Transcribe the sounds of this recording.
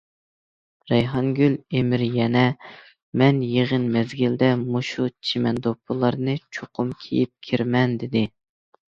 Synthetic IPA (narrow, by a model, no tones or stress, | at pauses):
ɾɛjɦɑŋɡʲylemɪɾjɛnɛ | mɛnjeʁənmɛzɡʲild̪ɛmoʃut͡ʃʰimɛnd̪opʰːɨlˠɑɾnɨt͡ʃʰoqʰʊmkʲʰḛjip̚kʲʰiɾmɛnd̪ɪd̪ɪ